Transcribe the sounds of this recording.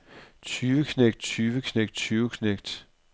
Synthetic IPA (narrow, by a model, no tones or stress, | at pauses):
t͡sʰyːʋəkʰneɡ̥̚d̥̚t͡sʰyːʋəkʰneɡ̥d̥t͡sʰyːʊkʰneɡ̥̚d̥